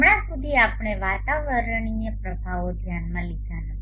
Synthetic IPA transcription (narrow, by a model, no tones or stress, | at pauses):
ɳãsud̪ʱiapɳ̃eʋat̪aʋəɾɳ̃inepɾəbʱaʋod̪ʱjanmãlid̪ʱana